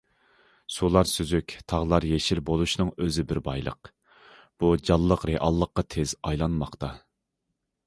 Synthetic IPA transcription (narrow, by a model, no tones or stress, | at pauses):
sulˠɑɾsyzykʲt̪ʰɑʁlˠɑɾjeʃilbolˠuʃnɨŋøzɪbɪɾbɑjlˠə̰q | b̥ud͡ʒɑlˠːəqɾeʔɑlˠːəqːɑt̪ʰez̥ɑjlˠɑnmɑqt̪ɑ